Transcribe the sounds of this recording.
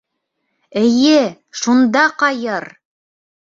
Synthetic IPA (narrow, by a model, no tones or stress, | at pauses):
ɘ̆jɘ | ʃund̪ɑqɑjɤɾ